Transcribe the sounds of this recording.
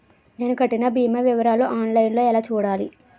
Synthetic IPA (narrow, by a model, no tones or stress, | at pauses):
ne̞ːnukɐʈːinɐbiːmɐʋiʋɐɾaːloʔaːnlɐjnlo̞ːɛlaːt͡ʃuːɽaːli